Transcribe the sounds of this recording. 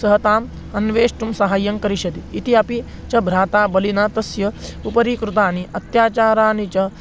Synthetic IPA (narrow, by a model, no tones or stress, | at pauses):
sɐɦɐt̪aːm | ɐnʋeːʂʈumsɐɦaːjɐŋkɐɾiʃɐd̪iːt̪iɐpit͡ʃɐbʱɾaːt̪aːbɐlinaːt̪ɐsjɐupɐɾiːkɾut̪aːniʔɐt̪jaːt͡ʃaːɾaːnit͡ʃɐ